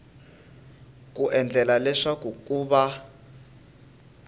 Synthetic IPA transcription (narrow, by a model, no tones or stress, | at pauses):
k̬ʼuʔɛnd͡ɮʱɛlalɛʂak̬uk̬ʼuːɓa